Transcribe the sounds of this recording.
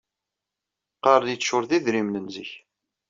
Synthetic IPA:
qɑɾˤnjit͡sːʃʊɾðiðɾimnənzəç

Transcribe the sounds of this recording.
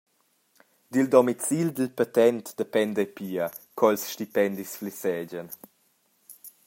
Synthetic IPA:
d̪ild̪ɔmit͡sild̪əlpat̪ɛnt̪d̪əpɛnd̪əpiə | kʰɔɛlsʃtipɛnd̪isflisɛːd͡ʑən

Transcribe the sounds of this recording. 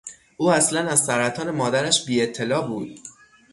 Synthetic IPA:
ʔuːæslænæzsæɾæt̪ʰɒːne̞mɒːd̪æɾæʃbiːe̞t̪ʰːe̞lɒːbuːd̪̥̚

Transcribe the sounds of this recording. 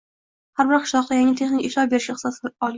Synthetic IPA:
haɾbɪɾqʰɨ̥ʃlˠɒq̚d̪ajaŋʲɪt̪ʰe̞χnɪkʲeʃɒbeɾɪʃɪsɒsɪɒlˠ

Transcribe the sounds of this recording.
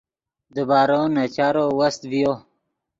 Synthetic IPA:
d̪əbaːɾonat͡ɕaɾowɐst̪vijo

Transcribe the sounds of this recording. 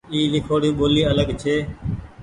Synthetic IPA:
iːlɪkʰoːɽũːɓoːliːələɠt͡ʃʰeː

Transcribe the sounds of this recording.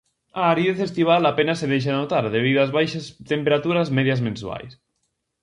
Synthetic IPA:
aːɾieθest̪iβ̞alapenaseðejʃ̬aðenot̪aɾðeβ̞iðoazβajʃast̪empeɾat̪uɾazmeðjazmẽnswa̰js

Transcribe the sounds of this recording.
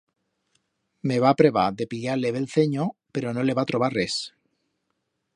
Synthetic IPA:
meβ̞apɾeβad̪epiʎaleβelθeɲopeɾonoleβat̪ɾoβares

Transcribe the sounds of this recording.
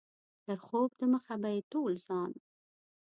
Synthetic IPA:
t̪əɾxob̚d̪əməxabajetolz̥ɑn

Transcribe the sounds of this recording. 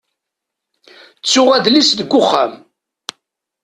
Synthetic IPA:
t͡sːʊʁæd̪lisd̪əɡʷːʊχːæ̰m

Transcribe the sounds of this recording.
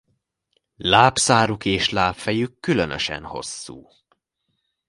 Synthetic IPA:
laːpsaːɾukeːʃlaːpfɛjykːylønøʃɛ̰nho̞̰sːṵː

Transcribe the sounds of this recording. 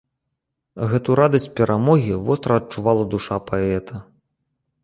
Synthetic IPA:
ɣɛt̪uɾad̪ɐsʲt͡sʲpʲɛɾʔamɔɣʲivɔst̪ɾɐɐt̚t͡ʂuvalˠɐd̪uʂapaɛt̪ʰɐ

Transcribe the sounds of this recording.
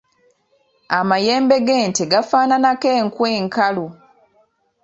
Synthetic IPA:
amajeːmbe̞ɡeːnteɡafaːnanake̞ːŋkweːŋkalu

